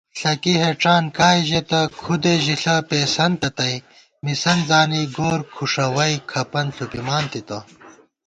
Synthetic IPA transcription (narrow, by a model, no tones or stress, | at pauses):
ɬɐkiɦeʈ͡ʂaːnkaːiʑet̪ɐkʰud̪eʑiɬɐpeːsɐnt̪ɐt̪ɐj | misɐnzaːniɡoːɾkʰuʂɐwɐjkʰɐpɐnɬupimaːnt̪it̪ɐ